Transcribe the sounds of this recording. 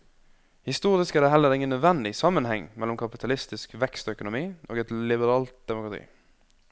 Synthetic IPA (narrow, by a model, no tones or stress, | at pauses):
hɪst̪uːɾɪskæːd̪ɛːɦɛlːəɾɪŋənːœd̪ʋɛnd̪ɪsɑmːənhɛŋmɛlːɔmkʰɑpɪt̪ʰɑlɪst̪ɪskʋɛkst̪œkʊnʊmiːʔo̰ːɡɛt̪lɪbəɾɑːlt̪̚d̪ɛmʊkɾɑt̪ʰḭː